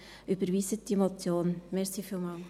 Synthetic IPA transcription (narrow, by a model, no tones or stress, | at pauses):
ybəɾʋiːsətdimot͡sjoːnmɛɾsiːfiːlmɑl